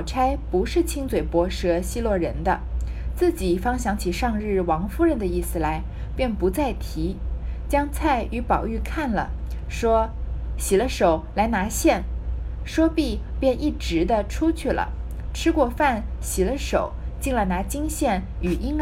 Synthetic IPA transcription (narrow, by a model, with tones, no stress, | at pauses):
ʈ͡ʂʰa˥ɪpu˧˥ʂɻ̩˥˩t͡ɕʰi˥ŋt͡swe˨˩ɪpwɔ˧˥ʂɤ˧˥ɕi˥˧lwɔ˥˩ɻə˧˥nd̪ə̰˧t͡sɹ̩˥˩t͡ɕi˨˩fɑ˥ŋɕjɑ˧˥ŋt͡ɕʰi˨˩ʂɑ˥˧ŋɻɻ̩˥˩wɑ˧˥ŋfu˥ɻə˥˩nd̪ə˩i˥˩sɹ̩˨˩la˧˥ɪ | pjɛ˥˩npu˧˥t͡sa˥˩ɪt̪ʰi˧˥t͡ɕjɑ˥ŋt͡sʰa˥˩ɪʔy˧˥pɑ˨˩ʊy˥˧kʰa˥˩nlə̰˩ʂwɔ˥ɕi˨˩lə˦ʂo˨˩˦ʊla˧˥ɪna˧˥ɕjɛ˥˩n | ʂwɔ˥pi˥˩pjɛ˥˧ni˥˩ʈ͡ʂɻ̩˧˥d̪ə˧ʈ͡ʂʰu˥t͡ɕʰy˥˩lə̰˩ | ʈ͡ʂʰɻ̩˥kwɔ˥˧fa˥˩nɕi˨˩lə˦ʂo˨˩ʊt͡ɕi˥˩ŋlə˨˩na˧˥t͡ɕi˥ŋɕjɛ˥˩ny˨˩ʔi˥ŋ